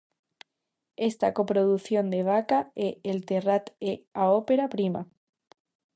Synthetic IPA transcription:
est̪ako̞pɾoðuθjond̪eβ̞akaeelt̪erat̪eaopeɾapɾima̰

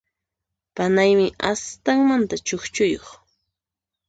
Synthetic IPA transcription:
panajmɪʔast̪aŋmant̪at͡ʃoχt͡ʃʊjoχ

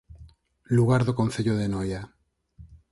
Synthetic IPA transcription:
luɣ̞aɾðokon̟θeʎoðenoja

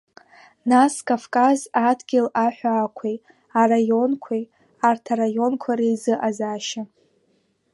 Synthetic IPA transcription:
naskʼavkʼazadɡʲɪlaħʷᶣaːkʷʰej | arajo̞nkʷʰej | artʰarajo̞nkʷʰaɾejzɨʔazaʃa

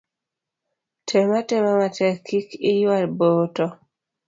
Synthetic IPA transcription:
tʰɛmatɛmamatɛkːikijalbotɔ

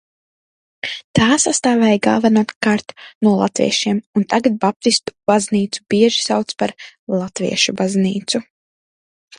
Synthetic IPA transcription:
t̪aːsast̪aːvɛːjɡa̰vanuɔt̪kaɾt̪nuɔlˠat̪vʲḭɛʃiɛmunt̪aɡat̪̚bap̚t̪ist̪u̥b̥azniːt̪su̥biɛʒi̥sawt̪spaɾlˠat̪vḭɛʃubazniːt̪su

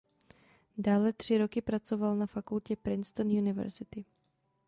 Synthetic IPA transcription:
daːlɛt̪r̝̥ɪɾo̞kɪpɾat͡sovalnafakulcɛpɾɪnst̪onjunɪvɛ̰ɾzɪt̪ɪ

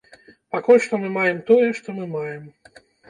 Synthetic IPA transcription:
pakulʲʂt̪ɔmɨmajɛmt̪ɔjɛʂt̪ɔmɨmajɛm

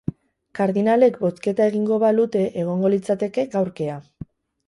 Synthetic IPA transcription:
kaɾðinale̞kbo̞ske̞t̪ae̞ɣ̞iŋɡo̞βalut̪e̞ʔeɣ̞o̞ŋɡo̞lit͡sat̪e̞ke̞ɡawɾke̞a

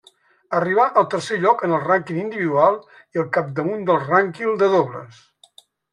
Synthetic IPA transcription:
əriβ̞aʔəlˠt̪əɾseʎɔkənəlˠraŋkinind̪iβiðualˠ | iəlˠkap̚d̪əmund̪əlˠraŋkind̪əðoβlə̰s

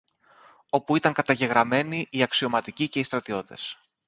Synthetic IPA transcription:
o̞puit̪ɐŋkɐt̪ɐʝe̞ɣɾɐme̞niʔːɐksio̞mɐt̪icice̞ist̪ɾɐt̪io̞t̪e̞̰s

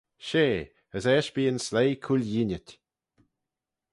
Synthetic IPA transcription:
ʃeː | əsɛːʃb̥iːənslejkʰulʲjinʲətʲ

